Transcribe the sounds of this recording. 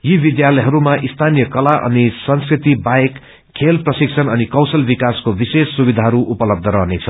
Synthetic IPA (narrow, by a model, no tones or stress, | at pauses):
jibid̪jalʌjɦʌɾumaʔist̪ʰanijʌkʌlaʔʌ̰nisʌnskrit̪ibajek | kʰːelprʌsiksʰʌnʌnikʌwsʌlbikaskobisesːubid̪ʱaɦʌɾuʔupʌlʌb̚d̪ʱʌɾʌɦnet͡sʰʌ